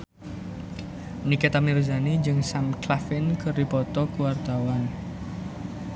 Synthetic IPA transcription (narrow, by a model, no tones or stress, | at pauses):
niket̪amiɾuzanid͡ʒɨŋsamklafɪnkərdipɔt̪ɔkuwart̪awan